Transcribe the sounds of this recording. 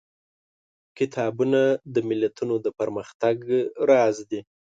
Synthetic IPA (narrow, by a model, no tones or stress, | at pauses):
kɪt̪ʰɑbunad̪əmɪlat̪unod̪əpəɾməxt̪aɡɾɑzd̪i